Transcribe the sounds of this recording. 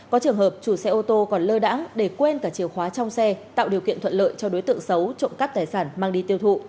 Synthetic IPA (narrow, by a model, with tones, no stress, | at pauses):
kɔ˨˦t͡ɕɨ˨˩əŋɦhəː˨˩p̚t͡ɕu˧˩sɛ˧ʔo˧t̪o˧kɔ˨˩nləː˧ɗa̰ː˧˥ŋɗe˧˩kwe˧nkaː˧˩t͡ɕi˨˩əwxwaː˨˦t͡ɕɔ˧wŋ͡msɛ˧t̪a̰ː˧˨wɗi˨˩kḭ˧˨ənt̪ʰə˧˨nlə̰ː˧˨jt͡ɕɔ˧ɗo˨˦jt̪ɨ̰˧˨əŋsə˨˦wt͡ɕo̰˧˨ŋ͡mka˦˥p̚t̪aː˨˩jsaː˧˩nmaː˧ŋɗi˧t̪i˧əwt̪ʰṵ˧˨